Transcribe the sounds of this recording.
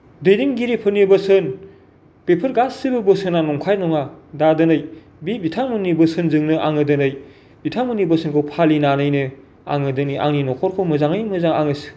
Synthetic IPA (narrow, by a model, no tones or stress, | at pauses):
dɯjdiŋɡiɾepʰɯɾnibɐsɯn | pepʰɯɾɡasːibɯbɯsɯnanɔŋkʰajnɔŋadadɯnɯj | bibitʰamɯnibɯsɯnzɯŋnɯʔa̰ŋɯdɯnɯj | bitʰamɯnibosɯnkʰɯwpʰalinanɯjnɯ | a̰ŋɯdɯniʔa̰ŋninɔkʰɔɾkʰɯmɯzaŋɯjmɯzaŋaŋɯs